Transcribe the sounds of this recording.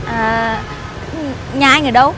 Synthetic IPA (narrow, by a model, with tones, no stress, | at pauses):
ʔəː˨˩ | ɲaː˨˩ʔaː˧jŋɨ˨˩ɗə˨˦w